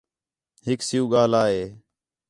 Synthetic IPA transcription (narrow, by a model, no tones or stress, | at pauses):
ɦɪksɪjũːɠaːlaːɦeː